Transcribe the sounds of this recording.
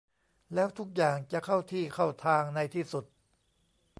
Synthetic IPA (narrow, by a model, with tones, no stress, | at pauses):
lɛː˦˥wt̪ʰu˦˥k̚jaː˨˩ŋt͡ɕa˨˩kʰa˥˩wt̪ʰiː˥˩kʰa˥˩wt̪ʰaː˧ŋna˧jt̪ʰiː˥˩su˨˩t̪̚